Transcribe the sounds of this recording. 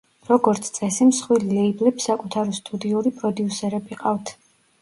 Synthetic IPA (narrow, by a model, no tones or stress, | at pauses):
ɾɔɡɔɾt̪sʰt̪sʼɛsimsχwililɛiblɛpsakʼut̪ʰaɾɔst̪ʼud̪iuɾipʼɾɔd̪iusɛɾɛbiqʼaft̪ʰ